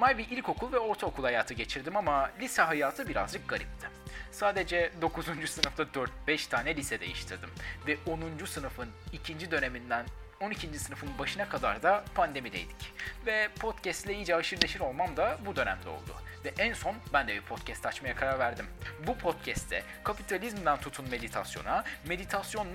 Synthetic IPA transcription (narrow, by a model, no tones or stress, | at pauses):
majbiʔilʲko̞kʰulˠvɛo̞ɾt̪ʰaokʰulˠhajaːt̪ʰɯɟe̞t͡ʃʰiɾd̪imamalʲisɛɦajaːt̪ʰɯbiɾa̰zd͡ʒɯk̚ɡ̥aɾḭp̚t̪ʰɯ̥saːd̪ed͡ʒɛd̪o̞kʰuzund͡ʒusɯnɯft̪ʰad̪øɾt̪̚bɛʃt̪ʰaːnɛlʲisɛd̪e̞̰jiʃt̪ʰɯɾd̪ɯmvɛʔonund͡ʒusɯnɯfɯnicʰind͡ʒid̪ø̞ne̞mind̪æn | o̞nicʰind͡ʒisɯnɯfɯnbaʃɯnakʰad̪aɾd̪apʰand̪e̞mid̪e̞̰jd̪i̥cvɛpʰo̞t̪cʰɛst̪lʲɛid͡ʒɛaʃɯɾlʲeʃiɾo̞lˠmamd̪abud̪ø̞næ̰md̪ɛo̞̰lˠd̪ʊ̰ | vɛʔænso̞nbænd̪ɛbiɾpʰo̞t̪cʰɛst̪at͡ʃmajakʰaɾaɾvæɾd̪imbupʰo̞t̪̚cʰɛst̪ʰɛ̰ | kʰapit̪ʰalʲizmd̪ænt̪ʰut̪ʰunme̞d̪it̪ʰasjo̞̰name̞d̪it̪ʰasjo̞nːˠ